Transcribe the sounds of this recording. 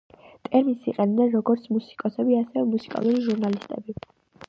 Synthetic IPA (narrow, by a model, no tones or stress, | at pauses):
t̪ʼɛɾmisiqʼɛnd̪ɛnɾɔɡɔɾt̪sʰmusi̥kʼɔsɛbiasɛvɛmusi̥kʼa̰lˠuɾiʒuɾnalist̪ʼɛ̰bi